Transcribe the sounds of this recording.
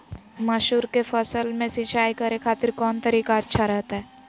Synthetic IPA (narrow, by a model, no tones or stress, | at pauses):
mɐʃuːɾkefʰəsəlmẽsɪ̃t͡ʃaːikɐɾekʰaːt̪ɪɾkɔːnt̪ɐɾiːkaɐtːʃʰaɾɛɦt̪aɦɛː